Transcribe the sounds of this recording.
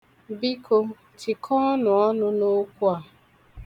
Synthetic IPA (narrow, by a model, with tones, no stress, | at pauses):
bi˦kʰo˦ | ti˨kʰɔ˦nʊ˨ɔ˦nʊ˦no˦kʷu˦a˨